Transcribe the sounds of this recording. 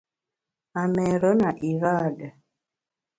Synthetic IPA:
a˨mɛ˨ɾɔ˦na˨ʔi˨ɾa˦˨ɗa˨

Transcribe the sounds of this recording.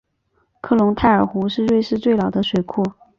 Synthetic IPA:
kʰɤ˥˩lʊ˧˥ŋt̪ʰa˥˩ɪə˞˨˩xu˧˥ʂɻ̩˥˧ɻwe˥˧ɪʂɻ̩˥˧t͡swe˥˩ɪlɑ˨˩ʊd̪ə˦ʂwe˨˩ɪkʰɔ˥˩

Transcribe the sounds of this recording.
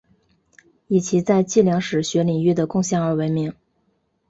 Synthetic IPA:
i˨˩t͡ɕʰi˧˥t͡sa˥˧ɪt͡ɕi˥˩ljɑ˧˥ŋʂɻ̩˨˩ɕɥɛ˧˥li˨˩ŋy˥˩d̪ə˩kʊ˥˧ŋɕjɑ˥˩ŋə˞˧˥we˧˥ɪmi˧˥ŋ

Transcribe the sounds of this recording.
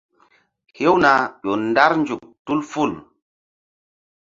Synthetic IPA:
he˦wna˨ɗɔ˨nda˦ɾnd͡ʒu˨k̚tu˦lfu˦˨l

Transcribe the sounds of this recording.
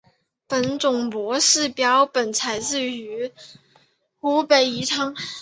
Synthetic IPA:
pə˨˩nt͡sʊ˨˩ŋpwɔ˧˥ʂɻ̩˥˩pjɑ˧˥ʊpə˨˩nt͡sʰa˧˥ɪt͡sɹ̩˥˩y˧˥ | xu˧˥pe˨˩ɪi˧˥ʈ͡ʂʰɑ˥ŋ

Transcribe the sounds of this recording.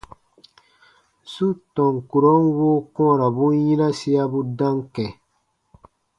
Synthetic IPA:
su˦tɔ̃˨ŋku˨ɾɔ˦nwoː˦kɔ̃˦˨ɾa˨bũ˦jĩ˦na˦si˦a˦bu˦dã˦ŋkɛ˨

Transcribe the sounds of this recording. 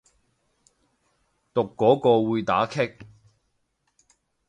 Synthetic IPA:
t̪ʊ˨kːɔː˨˥kɔː˧wuː˨˧jt̪a̰ː˨˥kʰɪ˥k̚

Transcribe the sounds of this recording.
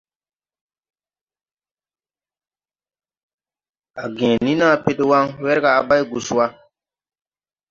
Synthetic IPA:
a˨ɡɛ̃˨nĩ˦na˦˨pɪ˦dɪ˦wa˦ŋwɛ˦ɾɪ˦ɡaː˨ba˦jɡu˨sʊ˨˦a˦

